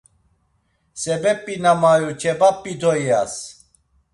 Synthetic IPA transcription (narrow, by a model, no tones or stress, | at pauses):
sɛbɛpʼːinamaɾut͡ʃʰɛbapʼːid̪ʰɔja̰s